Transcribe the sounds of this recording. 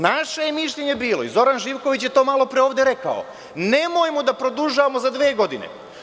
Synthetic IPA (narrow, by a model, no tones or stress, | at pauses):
naʃejemiʃʎe̞ɲe̞biːloizo̞ɾanʒiːʋko̞ʋit͡ɕjet̪o̞ːmalˠo̞pɾeo̞ːʋd̪eɾe̞ka̰o̰ | ne̞mo̞jmod̪apɾo̞d̪uʒaʋamozad̪ʋe̞ːɡo̞d̪inḛ